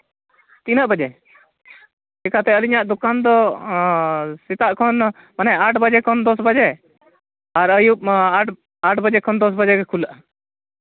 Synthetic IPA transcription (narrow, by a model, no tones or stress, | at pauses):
t̪inəʔbəd͡ʒɛ | ɛkʰat̪ɛəliɲaʔd̪ɔkand̪ɔ | sit̪aʔkʰɔn | manɛaʈʰbəd͡ʒɛkʰɔnd̪ɔsbəd͡ʒɛ | aɾəjup̚aʈ | aʈʰbəd͡ʒɛkʰɔnd̪ɔs̬bəd͡ʒɛɡɛkʰulaʔa